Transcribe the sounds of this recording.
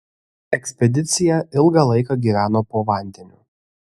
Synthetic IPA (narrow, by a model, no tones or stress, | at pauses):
ɛksʲpʲɛd̪ʲɪt̪sʲɪjɛɪlˠɡɐlˠɐɪkɐɡʲiːʋʲæːnoːpoːʋɐˑnʲd̪ʲɛnʲuː